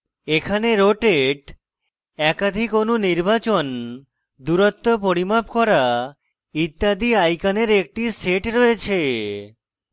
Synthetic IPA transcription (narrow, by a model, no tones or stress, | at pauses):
ekʰaneɾoʈeʈ | ɛkad̪ʱikonuniɾbat͡ɕon | d̪uɾot̪ːopoɾimab̚kɔɾa | it̪ːad̪iajkaneɾek̚ʈiseʈɾɔet͡ɕʰe